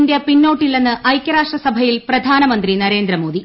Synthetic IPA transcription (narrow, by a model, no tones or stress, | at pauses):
ndepinːo̞ːʈːilːenːɨʔɐjkʲːɐɾaːʂʈrɐsɐbʱɐjilprɐd̪ʱaːnɐmɐnd̪rinɐɾe̞ːnd̪ɾɐmo̞ːd̪i